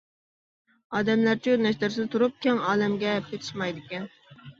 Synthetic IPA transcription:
ɑːd̪ɛmlæɾt͡ʃʰiøɾnɛʃlɪɾsɪd̪t̪ʰuɾup̚kʲɛŋɑːlɛmɡʲɛpʰet̪ʰɪ̥ʃmɑjd̪ɪkʲɛn

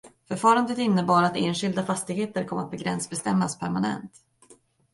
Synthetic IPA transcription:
fœɾfɑːɾand̪ət̪ɪnːəbɑːɾat̪eːnɧɪld̪afast̪ɪɡheːt̪əɾkʰɔmːəat̪̚bɛɡɾɛnsbɛst̪ɛmːaspʰæɾmanɛ̰nt̪

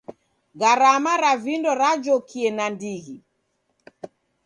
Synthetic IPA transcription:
ɣaɾamaɾavindɔɾad͡ʒɔkʰiɛnandiɣi

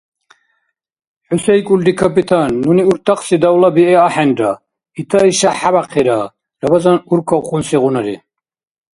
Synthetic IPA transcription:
ħusɛjkʼuld̪ikʰapit̪ʰanːuniuɾt̪ʰaqʼsid̪awlabiɛaħɛnɾa | it̪ʰaiʃaħabaqʰiɾa | ɾabazanuɾkʰɔwqʼunsiʁunaɾḭ

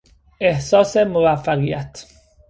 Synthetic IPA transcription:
ʔe̞hsɒːse̞movæfːæɣijæt̪ʰ

